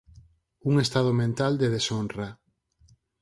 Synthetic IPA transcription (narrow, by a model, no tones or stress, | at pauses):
uŋest̪aðomẽnt̪ald̪eð̞esonra